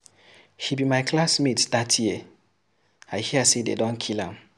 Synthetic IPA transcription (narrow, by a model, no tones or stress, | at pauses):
hibimaɪkʰlasmitdatʰji | aɪhiəsedḛdɔ̃nkʰilã̰m